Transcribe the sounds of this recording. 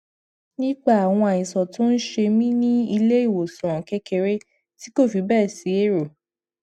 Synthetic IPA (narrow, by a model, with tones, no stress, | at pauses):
nĩ˦k͡pa˦˨a˨w̃ɔ̃˧a˨ĩ˨sɔ˨tõ˦n̩˦ʃe˧mĩ˦nĩ˦i˧le˦i˦˨wo˨sũ˨ɾ̃ɔ̃˨kɛ˦ke˧ɾe˦ | ti˦ko˦˨fi˨˦bɛ˦˨si˨˦e˦˨ɾo˨